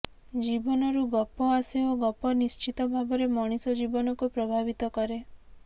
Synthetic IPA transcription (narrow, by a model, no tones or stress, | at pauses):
d͡ʒibɔnɔɾuɡɔpːɔaseoɡɔpːɔnist͡ʃit̪ɔbʱabɔɾemɔɽ̃isɔd͡ʒibɔnɔkupɾɔbʱabit̪ɔkɔɾe